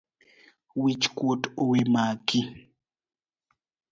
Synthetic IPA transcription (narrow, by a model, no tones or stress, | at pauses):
wit͡ʃkwotowemaki